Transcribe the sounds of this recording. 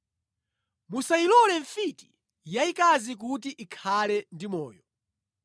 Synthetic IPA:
musailɔlɛɱfiti̥ | jaikazik̬ut̬iʔikʰalɛndimɔːjɔ

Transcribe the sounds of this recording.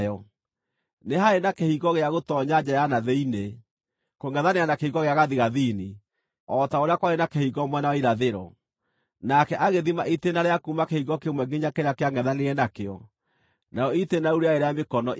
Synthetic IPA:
jɔ | neɦaenakehiɣɔɣeaɣotɔɲad͡ʑajanaðeine | koŋɡɛðanejanakehiɣɔɣeaɣaðiɣaðini | ɔtaoɾeakwaɾenakehiɣɔmwɛnaiɾaðeɾɔ | nakɛʔaɣeðimaʔitenaɾeakumakehiɣɔkemwɛɡiɲakeɾakeaŋɛðaneɛnakeɔ̰ | najɔitenauɾeaeɾeamekɔnɔ

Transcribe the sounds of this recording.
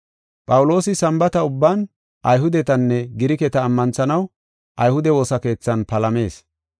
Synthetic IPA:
pʼɐwʊlo̞ːsɪsɐmbɐt̪ɐʊbːaːn | ʔɐjɦʊd̪ɛt̪ɐnːɛɡɪɾɪkɛt̪ɐːmːɐnt͡sɐnɐw | ʔɐjhʊd̪ɛwo̞ːsɐke̞ːt͡sːɐnpɐlɐme̞ːs

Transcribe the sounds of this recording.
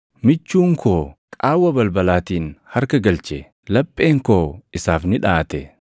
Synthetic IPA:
mɪt͡ʃːuːŋkʰoːkʼaːwːɐbɐlbɐlaːt̪iːnhɐɾkɐɡɐlt͡ʃɛ | lɐpʼːe̞ːŋkoːɪsaːfnɪᶑaːt̪ɛ

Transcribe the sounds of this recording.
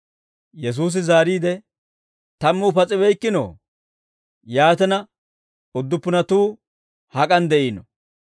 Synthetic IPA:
jɛs̬uːs̬ɪzaːɾiːd̪ɛ | t̪ɐmːuːpɐt͡sʼɪbɛjkːɪno̰ː | jaːt̪ɛnɐ | ʊd̪ːʊpːʊnɐt̪uː | hɐkʼɐnd̪ɛʔiːnɔ

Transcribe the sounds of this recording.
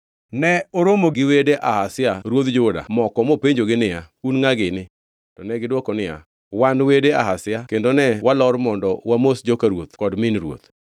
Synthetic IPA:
nɛoɾomoɡɪwedeʔahasɪaɾwot̪d͡ʒʊda̰mɔkɔmopeɲd͡ʒoɡɪnɪa | unŋaɡɪnɪ | tɔnɛɡɪdwɔkɔnɪja̰ | wanwedeahasɪakendonɛwalɔɾmɔndɔwamosd͡ʒokaɾwot̪kɔdmɪnɾwo̰t̪

